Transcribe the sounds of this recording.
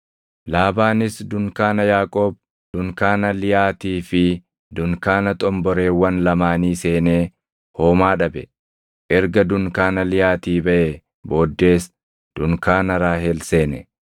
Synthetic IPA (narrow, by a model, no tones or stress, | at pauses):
laːbaːnɪsd̪ʊŋkaːnɐjaːkʼo̞ːb̚ | d̪̥ʊŋkaːnɐlɪjaːt̪iːfɪ | d̪ʊŋkaːnɐt̪ʼɔmbɔɾe̞ːwɐnlɐmaːniːse̞ːne̞ː | hoːmaːᶑɐbɛ | ʔɛɾɡɐd̪ʊŋkaːnɐlɪjaːt̪iːbɐʔe | bo̞ːd̪ːe̞ːs | d̪̥ʊŋkaːnɐɾaːɦɛlse̞ːnɛ